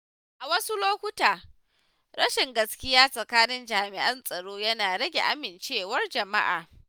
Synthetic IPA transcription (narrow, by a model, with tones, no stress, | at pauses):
ʔa˨wɐ˦su˦loː˦kʷʊ˦taː˨ | ɽɐ˦ʃɪ˨ŋɡɐ˦skʲɪ˦jaː˦sʼɐ˨kaː˦nɪ˦nd͡ʒaː˨mɪ˨ʔɐ˦nsʼɐ˨ɽoː˦jɐ˦naː˨ɽɐ˦ɡʲḛ˨ʔa˦mɪ˨nt͡ʃeː˦wɐ˦rd͡ʒɐ˨ma̰˦ʔa̰ː˨